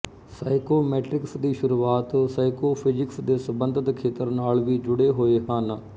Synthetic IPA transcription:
saːɪkoːmɛːʈɾɪksd̪iːʃʊɾuːaːt̪saːɪkoːpʰɪd͡ʒɪksd̪eːsəbənd̪ʱɪt̪kʰeːt̪əɾnaːlʋiːd͡ʒʊɽeːɦoːeːɦən

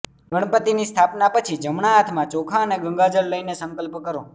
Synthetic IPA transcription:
ɡʱəɽ̃pət̪inist̪ʰapnapət͡ʃʰid͡ʒəmɳaːt̪ʰmãt͡ʃokʰãəneɡəŋɡad͡ʒəɾləinesə̃ŋkəlpkəɾo

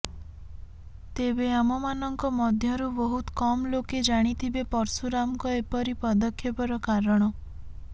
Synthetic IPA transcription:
t̪ebeamɔmanɔŋkɔmɔd̪ʱjɔɾubɔɦut̪kɔmɔloked͡ʒaɽ̃it̪ʰibepɔɾsuɾamkɔepɔɾipɔd̪ɔkʰjepɔɾɔkaɾɔɽ̃ɔ

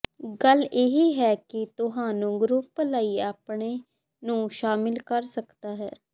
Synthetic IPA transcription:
ɡəleːɦiːɦɛːkɪt̪ʊɦãːnũːɡɾʊplaːiːaːpɳeː | nũːʃaːmɪlkəɾsəkt̪aːɦɛː

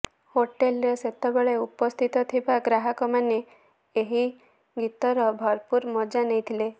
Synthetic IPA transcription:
hoʈelɾɔset̪ɔbɔɭeupɔst̪ʰit̪ɔt̪ʰibaɡɾaɦɔkɔmane | eɦi | ɡit̪ɔɾɔbʱɔɾpuɾmɔd͡ʒanejt̪ʰile

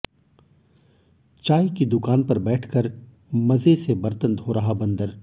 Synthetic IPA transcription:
t͡ʃaːikid̪ʊkaːnpɐɾbɛːʈʰkəɾ | mɐzesebɐɾt̪ənt̪ɦoːɾɐɦabɐ̃nd̪əɾ

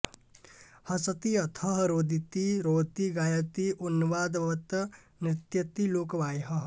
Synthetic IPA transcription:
hʌsʌt̪iʌt̪ʰʌɦɾod̪ʱit̪iɾot̪iɡajɐt̪iʔunːuʋad̪bɐt̪ | nɾɪt̪jʌt̪ilokbajɦʌɦ

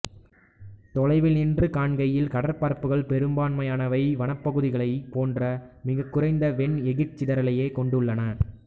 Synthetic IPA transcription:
t̪ɔɻɐɪʋɪlɪndrɯkaːɳɡɐjɪlkɐɽɐɾpaːɾpɯɣɐɭpɛɾɯmbaːɳmɐjaːnɐʋɐɪʋɐnɐpːɐɣɯðɪɣɐɭɐɪpoːndrɐmɪɣɐkːɯɾɐɪnd̪ɐʋɛɳɛɣɪʈ̚t͡ʃɪðɐɾɐlɐjeːkɔɳɖɯɭːɐnɐ

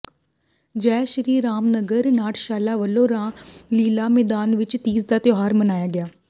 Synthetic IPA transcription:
d͡ʒɛːʃəɾiːɾaːmnəɡəɾnaːʈʰʃaːlaːʋəlːõːɾãːliːlaːmɛːd̪aːnʋɪt͡ʃt̪iːzd̪aːt̪ɪjoːɦaːɾmənaːjaːɡɪaː

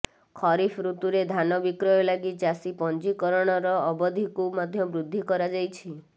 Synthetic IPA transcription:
kʰɔɾipʰɾut̪uɾed̪ʱanɔbikɾɔjɔlaɡid͡ʒasipɔnd͡ʒikɔɾɔɽ̃ɔɾɔːbɔd̪ʱikumɔd̪ʱjɔbɾud̪ʱːikɔɾad͡ʒajt͡ʃʰi

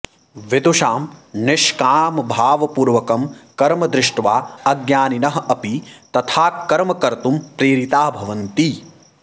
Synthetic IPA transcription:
ʋed̪uʃaːmnɪʃkaːmɐbʱaːʋɐpuːɾʋɐkɐmkɐɾmɐd̪ɾɪʂʈʋaːɐɡjaːninɐɦɐɐpit̪ɐt̪ʰaːkɐɾmɐkɐɾt̪umpɾeːɾit̪aːbʱɐʋɐnt̪i

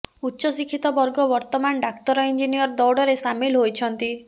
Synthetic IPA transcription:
utːʃɔsikʰːit̪ɔbɔɾɡɔbɔɾt̪ɔmanɖakt̪ɔɾɔind͡ʒinijɔɾd̪ɔwɽɔɾesamilɦojt͡ʃʰɔnt̪i

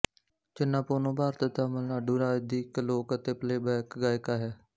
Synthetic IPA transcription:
t͡ʃɪnːãːpoːnõːbaːɾt̪ət̪aːməlnaːɖuːɾaːd͡ʒd̪iːkloːkət̪eːpleːbɛːkɡaːjkaːɦɛː

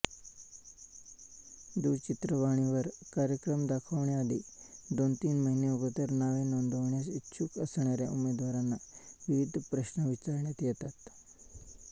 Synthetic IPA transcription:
d̪uːt͡ɕit̪ɾəʋaɳ̃iʋəɾkaɾjəkɾəmd̪akʰəʋɳjaːd̪id̪ont̪iːnməɦineəɡət̪əɾnaʋenond̪ʱəʋɳjasitːɕʰukəsɳjaɾjaʔumːed̪ʋaɾanːaʋiʋid̪ʱpɾəɕnəʋit͡saɾɳjat̪jɛt̪at̪

